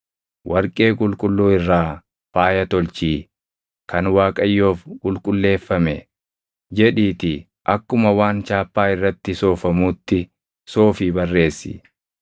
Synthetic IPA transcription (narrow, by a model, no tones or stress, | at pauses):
wʔɐɾkʼe̞ːkʼʊlkʼʊlːuːɪrːaː | faːjɐt̪ɔlt͡ʃiː | kɐnwaːkʼɐjːo̞ːfkʼʊlkʼʊlːe̞ːfːɐmɛ̰ | d͡ʒɛᶑiːt̪ɪ | ʔɐkːʊmɐwaːnt͡ʃaːpːaːɪrːɐt̪ːɪso̞ːfɐmuːt̪ːɪ | so̞ːfibɐrːe̞ːsːɪ̰